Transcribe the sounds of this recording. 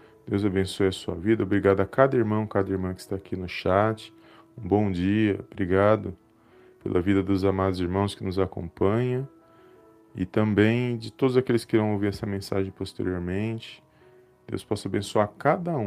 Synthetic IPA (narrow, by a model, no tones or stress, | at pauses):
d̪̥ewzabẽsojɐsuɐ̰vid̪ɐobɾiɡad̪ʊakad̪ɐiɾmɐ̃w̃kad̪ɐiɾmɐ̃kɪ̥st̪aːkʰinʊʃat͡ʃɪ̥ | ũbõw̃d͡ʒiɐobɾiɡad̪ʊ | pḛlʔɐvid̪ɐd̪ʊzamad̪ʊziɾmɐ̃w̃skɪnʊzakõ̰pɐ̃ɲɐ̃ | ɪ̰t̪ɐ̃mbẽj̃d͡ʒɪt̪od̪ʊzakelɪskɪiɾɐ̃w̃owviɾɛsɐmẽsa̰ʒẽj̃post̪eɾioɾmẽnt͡ʃɪ̥ | d̪̥ḛwspɔsʊabẽsuaɾkad̪ɐũ